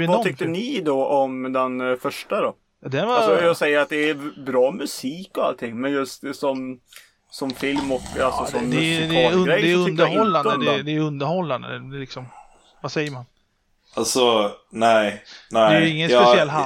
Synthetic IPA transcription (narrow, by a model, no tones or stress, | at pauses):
vɔʏk̚t̪əənɪd̪ɔɔmd̪ɛnfœʂʈad̪ɔ | jɑd̪ɛnvaɔjɑsɛjːəɾat̪̚d̪ɛːɾbɾɑːmʉsiːkɔalt̪ʰɪŋːmɛnjɵst̪sɔm | sɔmfɪlmɔka̰lsɔsɔmːd̪ɛd̪ɛɵɡɾɛjd̪ɛnd̪əɾhɔlːand̪əd̪ɛd̪ɛjɵnd̪əɾhɔlːand̪əlɪksɔm | vasɛjːəɾman | alsɔnæɪnæɛjjɵɪŋːənspɛsɪɛlːɦa